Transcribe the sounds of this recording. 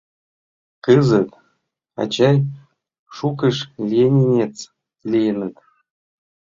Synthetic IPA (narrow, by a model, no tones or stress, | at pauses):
kɨzə̆t̪ | ɑ̰t͡ɕɑj | ʃukə̆ʃlʲijenʲenʲet͡s | lʲijənə̆t̪